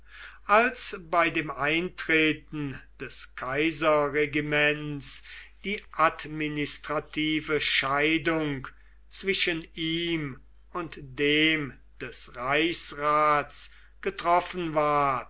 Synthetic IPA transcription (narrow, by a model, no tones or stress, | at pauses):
ʔalsbaɪdeːmʔaɪntʁeːtn̩d̥ɛskʰaɪzɐʁeɡimɛnsd̥iːʔatmɪnɪstʁ̥atʰiːvəʃaɪdʊŋk | t͡sv̥ɪʃəniːm | ʊntd̥eːm | d̥ɛsʁaɪçsʁaːts | ɡ̥ətʁ̥ɔfənvaɐt